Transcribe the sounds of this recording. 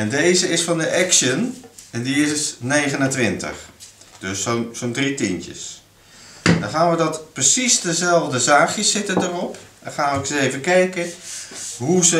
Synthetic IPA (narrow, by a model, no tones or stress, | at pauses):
ɛndejzəɪsfɔndəʔɛkʃənɛndiɪsnejɣənəntʋɪntə̰xd̥øsonsondritɪntə̰s | dɔnχaːnʋədɔtprəsisdəzɛlˠvdəzaːxjəsɪtədərɔpɛnχaːnʋəksəejvəkɛjkə | ɦuzə